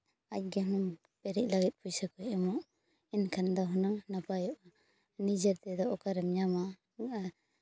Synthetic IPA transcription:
ac̚ɡɛmɔn | pɛɾic̚laɡɛt̪̚ˀpʰujsakɔjʔɛmɔʔ | inkʰand̪ɔɦɔnaŋnapajɔʔa | nid͡ʒaɾt̪ɛd̪ɔʔɔkaɾɛmɲama

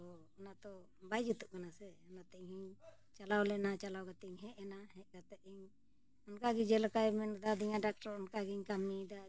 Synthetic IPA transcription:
ɔ | ɔnat̪ɔ | bajd͡ʒut̪up̚kanasɛɔnat̪ɛʔɲhiɲ | t͡ʃalawlɛnat͡ʃalawɡat̪ɛɲɦɛʔɛnahɛ̃ʔ̚ɡat̪ɛʔiɲ | ɔnkaɡid͡ʒɛlakajmɛnd̪ad̪iɲaɖak̚ʈaɾɔnkaɡiɲkamnid̪a

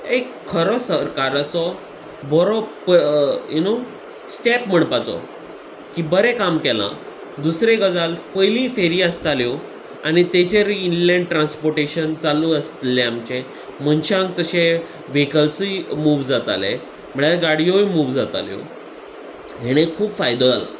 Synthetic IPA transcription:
ekʰːəɾɔsəɾkaɾat͡sɔ | bɔɾɔ | juno | sʈepm̤əɳpat͡sɔ̰ | kiːbəɾekamkɛlã̰ | d̪usɾeɡəd͡zalpəjlĩːfeɾiəst̪aljɔ | añit̪et͡ɕeɾinlẽɳɖʈɾãnspɔɾʈeɕənt͡saluəst̪leamt͡ɕẽ | məɳɕãŋk̚t̪əɕe | ʋekəlsimuːʋd͡zat̪a̰lɛ | m̤əɽaɡaɽijojmuːʋd͡zat̪a̰ljɔ̰ | ɦeɽ̃ekʰuːpfajd̪əl

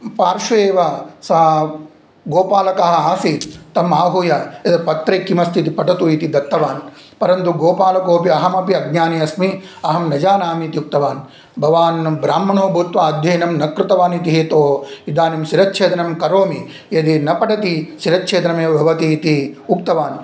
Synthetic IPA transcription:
paːɾʃɐeːʋɐsaː | ɡoːpaːlɐkɐɦɐ̆aːsit̪ɐmaːɦujɐjɐd̪ɐpɐt̪ɾeːkːimɐst̪ʰit̪ipɐʈɐt̪uit̪id̪ɐt̪ːɐʋaːn | pɐɾɐnt̪uɡoːpaːlɐkoːpiɐɦɐmɐpiɐɡ̚ɲaːniɐsmiɐɦɐmnɐd͡ʒaːnaːmiːt̪iuk̚t̪ɐʋaːn | bʱɐʋaːnbɾaːmːɐɳoːbʱuːt̪ʋaːɐd̪ʱjɐjːnɐmnɐkɾɪt̪ɐʋaːnit̪iɦeːt̪oːid̪aːnimʃiɾɐt̪t͡ʃʰeːt̪ɐnɐmkɐɾoːmi | jɐd̪inɐpɐʈɐt̪iʃiɾɐt̪t͡ʃʰeːt̪ɐnɐmeːʋɐbʱɐʋɐt̪iːt̪iuk̚t̪ɐʋaːn

